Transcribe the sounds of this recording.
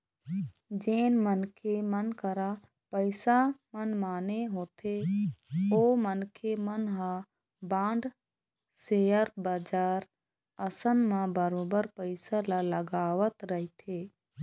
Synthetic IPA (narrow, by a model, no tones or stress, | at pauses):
d͡ʒeːnmənkʰemənkəɾa | pəɪsamənmaːneɦoːt̪ʰe | oːmənkʰemənɦã | bãːɳɖ | sejəɾbaːd͡ʒaːɾ | əsənmãbəɾoːbəɾpəɪsalaləɡaːʋət̪ɾəɦit̪ʰeː